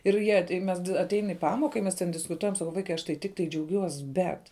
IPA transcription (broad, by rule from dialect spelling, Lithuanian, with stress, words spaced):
ɪr ˈjiɛ tɐɪ ˈmʲɛs ɐˈtʲɛɪn ɪ ˈpɑːmoːkɐ ɪ ˈmʲɛs tʲɛn dʲɪskʊˈtuɔjɛm sɐˈkɐʊ ˈʋɐɪkɐɪ ˈɐʃ tɐɪ tʲɪkˈtɐɪ d͡ʒʲɛʊˈɡʲuɔs ˈbʲɛt